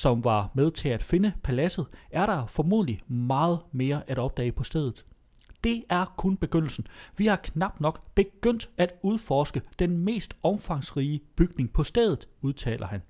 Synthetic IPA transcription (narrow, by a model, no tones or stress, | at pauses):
sɒ̽mʋɑ̈með̞ˠt͡sʰe̝æd̥fe̝nəpʰælæsð̞̩ˠæɐɾɑ̈fɒmuð̰ˠlimɑ̈ːð̩ˠme̝ːɐʔæɾ̥ɒ̽b̥̚d̥ɛ̰ːɪpʰɒ̽sd̥eð̞̰ˠð̩ˠ | d̥e̝æɐkʰonb̥e̝ɡ̥øn̰l̩sn̩ʋihɑ̈kʰnɑ̈b̥d̥nɒ̽ɡ̥b̥e̝ɡ̥øn̰d̥æd̥uð̞ˠfɒːsɡ̥əd̥enme̝̰ːsd̥ɒ̽mfɑ̈ŋsʁiːəb̥yɡ̥ne̝ŋpʰɒ̽sd̥eð̞ˠð̩ˠuð̞ˠt͡sʰɛ̰ːlʔɐhæn